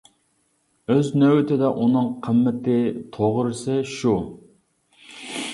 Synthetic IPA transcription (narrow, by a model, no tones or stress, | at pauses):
øznøwɪt̪ʰɪd̪ɛʔunɨŋqʰəmːɪt̪ɪt̪ʰoʁɾɨsɪʃu